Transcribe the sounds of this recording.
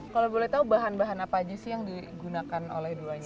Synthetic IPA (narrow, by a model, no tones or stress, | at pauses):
kalobolɛt̪aubaɦanbaɦanapaɲasɪhjaŋdiɡunakano̰lɛhduaɲa